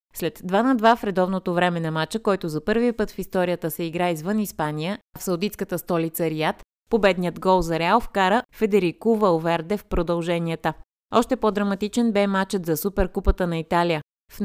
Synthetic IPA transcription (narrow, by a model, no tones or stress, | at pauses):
slɛt̪ːvanɐd̪vafɾɛd̪ɔvnot̪ovɾɛmɛnɐmat͡ʃəkɔjt̪ʊzɐpɤɾvipɤt̪fist̪ɔɾiət̪əsɛiɡɾaizvɤnispanijəfsɐwd̪it̪skət̪əst̪ɔlit̪səɾiat̪ | pobɛd̪nijəd̪ɡɔlˠzɐɾɛalˠfkaɾəfɛd̪ɛɾikuvəlvɛɾd̪ɛfpɾod̪ɐlˠʒɛniət̪ə | ɔʃt̪ɛpɔd̪ɾɐmɐt̪it͡ʃɛnbɛmat͡ʃət̪zɐsupɛɾkupət̪ənɐit̪alijə | f